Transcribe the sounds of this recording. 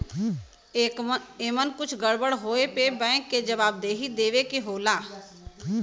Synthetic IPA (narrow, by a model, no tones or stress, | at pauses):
eːmənkʊt͡ʃʰɡəɽbəɽɦoːepebɛ̃ːkːed͡ʒɐbaːb̚d̪eːɦid̪eːʋekeɦoːlaː